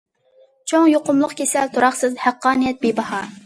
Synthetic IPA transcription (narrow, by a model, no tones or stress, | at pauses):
t͡ʃʰoŋjoqʊmlˠʊqkʲʰesɛlt̪ʰoɾɑχsɨzhæqːɑːnɨjɛt̪̚bebɑhɑ